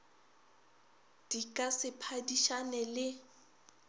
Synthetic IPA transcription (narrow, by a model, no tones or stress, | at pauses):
d̥ikʼasɪpʰadiʃanɛlɪ